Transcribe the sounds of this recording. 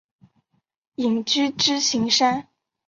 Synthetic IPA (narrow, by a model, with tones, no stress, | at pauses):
i˨˩ŋt͡ɕy˥ʈ͡ʂɻ̩˥ɕi˧˥ŋʂa˥n